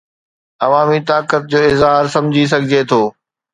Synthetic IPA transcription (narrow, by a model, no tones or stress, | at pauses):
ɐʋaːmit̪aːkət̪̚d͡ʑoːɪzɦaːɾsɐ̃md͡ʑʱis̬ɐɡʱɪd͡ʑet̪ʰoː